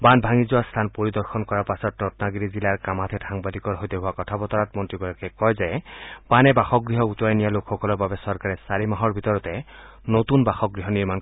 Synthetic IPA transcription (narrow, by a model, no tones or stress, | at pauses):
banbʱaŋizʊwast̪ʰanpoɹid̪ɔɹxʰɔnkɔɹaɹpasɔtnɔtnaɡiɹizilaɹkamat̪ʰɛdʰaŋbadikɔɹɦojteɦʊwakɔtʰabɔt̪ɔɹat̚mɔntɹiɡɔjakɛkɔjzɛb̥anɛbaxɔkɡɹiɦɔut̪ɹajnijalokʰxɔkɔlɔɹbabɛsɔɹkaɹɛsaɹimaɦɔɹbʱit̪ɔɹɔtɛ | not̪unbaxɔɡɹiɦɔniɹman